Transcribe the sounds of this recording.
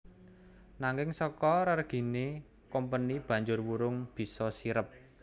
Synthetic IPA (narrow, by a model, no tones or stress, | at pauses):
naŋɪŋsɔkɔɾərɡ̥i̤ne | kɔmpənib̥ä̤ɲd͡ʒʊrwuɾʊŋb̥i̤sɔsiɾəp̚